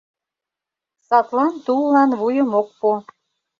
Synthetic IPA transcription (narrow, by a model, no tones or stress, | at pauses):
sɑt̪lɑnt̪ulːɑnβujəmok̚pu